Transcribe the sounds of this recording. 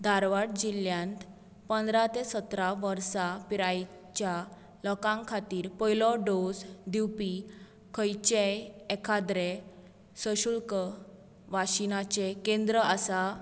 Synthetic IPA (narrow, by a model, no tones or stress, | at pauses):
d̪ʱaɾʋaʈ̚d͡ʑiljãnt̪ | pənd̪ɾat̪esət̪ɾaʋəɾsapiɾaj | t͡ɕja | lɔkãŋkʰat̪iːɾpəjlɔɖosd̪iwpi | kʰəjt͡ɕeekʰad̪ɾe | səɕuɭkə | ʋaɕinat͡ɕekẽnd̪ɾəasa